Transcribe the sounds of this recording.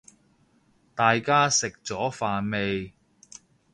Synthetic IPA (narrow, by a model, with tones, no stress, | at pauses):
t̪aː˨jkaː˥sɪ˨k̚t͡sɔː˨˥faː˨˧nme˨˧j